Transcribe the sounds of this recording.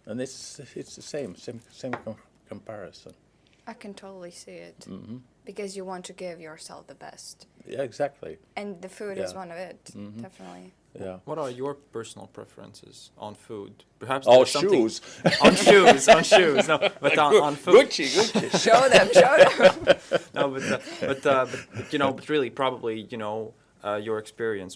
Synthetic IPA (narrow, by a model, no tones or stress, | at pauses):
ə̃nɪtsɪtsðəsẽɪ̃msẽmsẽɪ̃mkʰ | kʰə̃m̩pʰɛɹɨ̰sə̰̃n | aɪkʰɨ̃ntʰoʊɾl̩ˠisiɪ̰t̚m̩m̥m̩b̥ɨkʌzjɨwɑ̃ntʰɨɡɪvjə˞sɛ̰lˠfðəbɛ̰stjæ̰ɪɡzæk̚tʰˡlḭɨ̃nðɨfʉɾɨzwʌ̃nʌvɪt̚m̩md̩ɛfənətˡli | jæ̰wʌɾə˞jə˞pʰɜ˞sn̩l̩ˠpʰɹ̥ɛ̰fəɹɨ̰̃nsɪ̰z̥ʔə̰̃n̩fud̚ | pʰə˞hæpsʃsʌ̃muz̥̃ | nʃʉz̃n̩ʃʉznoʊbʌ̃nfɡʊt͡ʃiɡʊiʃoʊðɨ̃moʊmnʔoʊbʌtʌb̥ʌtʌbʌt̚bʌtjɨñoʊbʌt̚ɹɪlˠipʰɹ̥ɑbəblijɨnoʊ | ʌjə˞ɨkspɪɹiɨ̃ns